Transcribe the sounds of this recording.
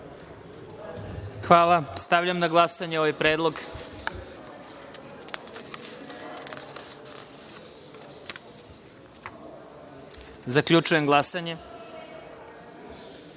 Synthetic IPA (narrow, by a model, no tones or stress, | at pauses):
xʋaːlˠast̪aʋʎamnaɡlˠasaɲeoʋajpɾe̞ːd̪lˠo̞ɡ | zakʎut͡ʃuje̞mɡlˠasaɲe̞